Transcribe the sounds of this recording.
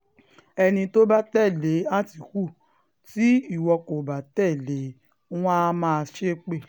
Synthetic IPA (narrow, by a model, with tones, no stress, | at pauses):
ɛ˧nĩ˧to˦ba˦tɛ˦˨le˨˦a˦ti˨ku˦˨ | ti˦i˦˨wɔ˧ko˨ba˨˦tɛ˦˨le˨˦ | w̃ã˦mãː˦˧ʃe˦k͡pe˦˨